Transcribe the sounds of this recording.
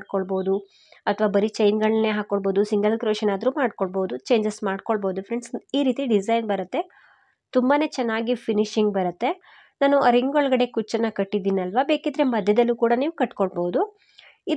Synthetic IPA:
ɽkoɭboːud̪u | ɐt̪ʰʋaːbɐɾit͡ʃɐjnɡɐɭɐeɦaːkoɭbo̞ːd̪usiŋɡɐlkɾoːʃɐnaːd̪ɐɾuːmaːɖkoɭboːud̪ut͡ʃe̞ːɲd͡ʒɐsmaːɖkoɭboːd̪ufʰɾeɳɖsiːɾiːt̪iɖizɐjnbɐɾɐt̪ːe̞ | t̪umbaːne̞ːt͡ʃɛnːaːɡipʰiniʃiŋɡbɐɾɐt̪ːe̞ | naːnuɐɾiŋɡoɭɐɡɐɽe̞kut͡ʃːɐnːɐkɐʈːid̪iːniɐlʋabe̞ːkid̪ɐɾe̞mɐd̪ʱjɐd̪ɐlːuːkuːɽaniːʋukɐʈːkoɭboːud̪u | id̪

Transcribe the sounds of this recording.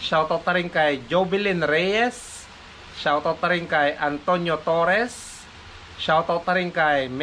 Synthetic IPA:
ʃawt̪ot̪aɾɪŋkajd͡ʒobɪlɪnɾɛjɛs | ʃawt̪ot̪aɾɪŋkajʔant̪oɲjot̪oɾɛs | ʃawt̪ot̪aɾɪŋkajm

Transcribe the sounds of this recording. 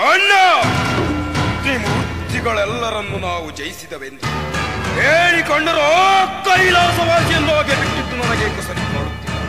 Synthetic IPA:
ɐnːɐ | niːmut̪iɡɐɭɛlːɐɾɐnːunaːʋud͡ʒɐjisid̪ɐʋend̪iɦeːɭikoɳɖɐɾɔt̪ːɐilaːsɐʋaːsjɐnːoːɡebiʈːid̪ːunɐnɐɡeːkɐsɐɾit̪ːaːɾut̪ːiːi

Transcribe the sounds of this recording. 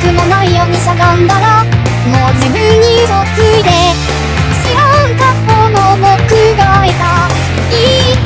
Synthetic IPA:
kɯ̟monaijoːɲ̟isaɡãnd̪aɾa | moːd͡ʑibɯ̃ɲːimokɯ̟id̪e | ɕiɾõŋk̪apːonomokɯɡaːit̪a | i

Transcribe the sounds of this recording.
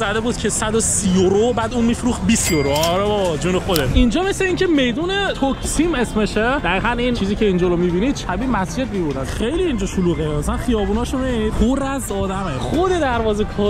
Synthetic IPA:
æd̪ebuːd̪̥̚cʲʰesæd̪osijoɾobæːd̪uːnmiːfɾuːx̚bisjoɾoɾebɒd͡ʒuːnexod̪eʃind͡ʒɒːmesleiːŋcʲʰeme̞jd̪uːnet̪ʰokʰsimesmeʃed̪̥æɣiːɣænint͡ʃʰiːziːcʰʲe̞ind͡ʒoɾomibiniːd̪̥̚ʃʰæbiːmæsd͡ʒe̞d̪̚miboɾd̪ænχejliːnd͡ʒɒːʃoluːɣemæsælænχijɒːbuːnɒːʃomeid̪̥hoɾæzɒːd̪æmeχod̪e̞d̪æɾvɒːzekʰɒː

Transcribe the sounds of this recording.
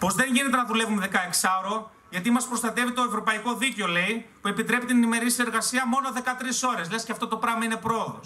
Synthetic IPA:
po̞zðe̞ɲʝine̞t̪̬enɐðule̞vumeðe̞kɐeksɐoɾo̞ | ʝɐt̪̬imɐspɾo̞st̪ɐt̪e̞vit̪o̞e̞vɾo̞pɐiko̞ðiceo̞le̞ipue̞pit̪ɾe̞pit̪inenime̞ɾisie̞ɾɣɐsiɐmo̞no̞ðe̞kɐt̪ɾiso̞ɾe̞slesceɐft̪o̞t̪o̞pɾɐɣmɐine̞pɾo̞oðo̞̰s

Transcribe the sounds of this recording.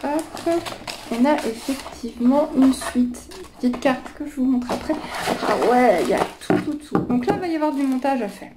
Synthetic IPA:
paskəɔ̃naʔefɛkt̪ʰivmɑ̃ʔynsɥit̪ | pə̥t̪it̪kʲaʁt̪kəʒəvumɔ̃t̪χeapχɛa̰pχa̰wɛilja̰t̪ʰut̪ut̪ʰud̪ɔ̃klavajavwaʁd̪ymɔ̃t̪aʒafɛ̰ːʁ

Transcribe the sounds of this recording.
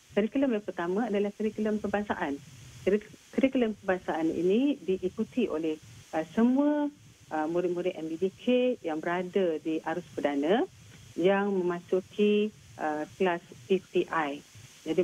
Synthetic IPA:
kəɾikləmjaŋpərt̪amãadalahkəɾikələmpəbaŋsa̰ʔan | kəɾikələmpəbaŋsaanḭnidiʔikut̪iʔo̰lɛhəsəmuə | ʔəmuɾɪt̪̚muɾɪt̪ɛmbidikʰejaŋbəɾadədiʔaɾʊspədanə̃ | jaŋmə̃mãsukʰi | ʔəklaspip̪iʔajd͡ʒadi

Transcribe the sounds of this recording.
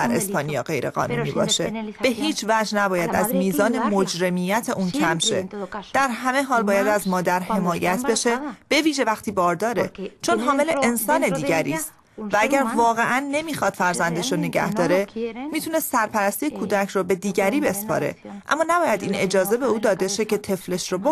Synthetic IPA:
æɾe̞spɒːnijɒ̰ːɢe̞jɾe̞̰ɣɒ̰ːnṵːniːbɒ̰ːʃe̞b̥e̞ɦiːt͡ʃʰvæːd͡ʒnæbɒːjæd̪æzmiːzɒːne̞mod͡ʒɾe̞miːjæt̪ʰe̞ʔuːncʰæmʃe̞̰d̪̥æɾɦæme̞ɦɒːlbɒːjæd̪æzmɒːd̪æɾhe̞mɒːjæt̪ʰbe̞ʃe̞b̥e̞viːʒe̞væxt̪iːbɒːɾd̪ɒːɾe̞t͡ʃʰo̞nɦɒːme̞le̞ensɒːne̞d̪iːɟæɾḭːst̪ | vææɟæɾvɒːɣe̞ʔænːe̞miːxɒːd̪̥fæɾzænd̪eʃɾone̞ɟæ̰hd̪ɒːɾe̞miːt̪ʰune̞ssæɾpʰæɾæst̪ijekʰuːd̪æcʰrobe̞d̪iːɟæɾiːbe̞spʰɒ̰ːɾe̞̰ʔæ̰mːɒːnæbɒːjæd̪ḭːne̞̰d͡ʒɒːze̞be̞uːd̪ɒːd̪e̞ʃe̞ce̞t̪ʰe̞fle̞ʃɾobo

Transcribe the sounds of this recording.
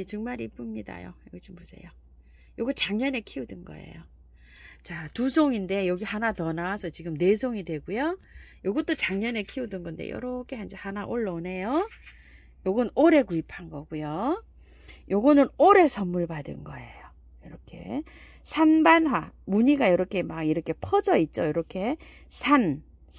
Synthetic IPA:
et͡ɕɯŋmaɾiip͈ɯmɲida̰jo̰jʌɡʌɕʰimmusʰe̞̰jo | joɡʌt͡ɕaŋɲʌne̞kʰiudɯnɡʌ̰ḛjo | t͡ɕatusʰoŋinde̞jʌɡihanatʌnawːsʰʌt͡ɕiɡɯmne̞sʰoŋidwe̞ɡujojoɡʌt͈ot͡ɕaŋɲʌne̞kʰiudɯnɡʌndḛjʌ̰ɾokʰe̞hand͡ʑehanaʔoɭːʌne̞jo | joɡʌnoɾe̞ɡuipʰanɡʌɡujo | joɡʌnɯnoɾe̞sʰʌmːuɭbadɯ̰nɡʌ̰e̞̰jo | jʌɾʌkʰe̞̰ | sʰanbanɦwamuɲiɡajʌɾʌkʰe̞maɡiɾʌkʰe̞pʰʌd͡ʑʌit̚t͡ɕ͈ojʌɾʌkʰe̞sʰan

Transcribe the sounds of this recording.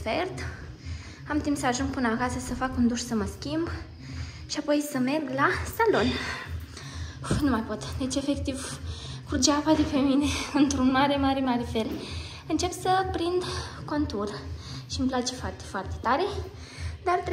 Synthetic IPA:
fert̪ | amt̪impsəaʒuŋɡ̚pɨnəakasəsəfakund̪uʃsəməskʲimb | ʃiapo̞jsəme̞rɡlasalo̞n | numajpo̞t̪d̪e̞t͡ʃʲe̞fe̞kt̪ivkud͡ʒavad̪epemine̞ɨnt̪ɾunmaɾe̞maɾe̞maɾefele | ɨnt͡ʃe̞psəpɾind̪ko̞nt̪urʃimplat͡ʃe̞foart̪e̥foart̪e̞̥t̪aɾe̞ | d̪art̪

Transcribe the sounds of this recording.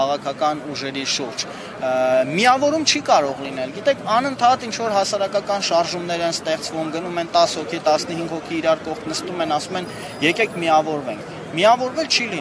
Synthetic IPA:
ɑʁɑkʰɑkɑnuʒɛɾiʃuɾd͡ʒ | miɑvɔɾumt͡ʃʰikɑɾɔʁlinɛlɡit̪ɛkʰɑnənt̪ʰɑt̪int͡ʃʰvɔɾɦɑsɑɾɑkɑkɑnʃɑɾʒumnɛɾɛnst̪ɛχt͡svumɡənumɛnt̪ɑshɔkʰit̪ɑsnəhiŋɡhɔkʰiːɾɑɾkɔχt̪ʰnəst̪umɛnɑsumɛn | jɛkɛkʰmiɑvɔɾvɛŋkʰ | miɑvɔɾvɛlt͡ʃʰili

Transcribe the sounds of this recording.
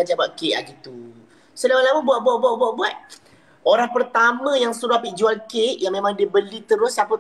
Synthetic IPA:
ad͡ʒabap̚keʔa̰ɡit̪u | sədamalamubuat̪̚buaʔ̚buaʔ̚buaʔ̚buat̪̚ | oɾaŋpərt̪amə̃jaŋsuɾaapiʔd͡ʒualkeʔjaŋmẽmãŋdibəlit̪əɾʊsapə

